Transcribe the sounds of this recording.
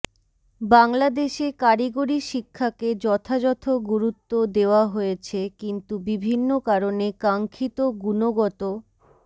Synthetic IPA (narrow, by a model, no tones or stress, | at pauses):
baŋlad̪eʃekaɾiɡoɾiʃikʰːaked͡ʑɔt̪ʰad͡ʑɔt̪ʰoɡuɾut̪ːod̪eoaɦojet͡ɕʰekint̪ubibʱinːokaɾonekaŋkʰit̪oɡunoɡɔt̪o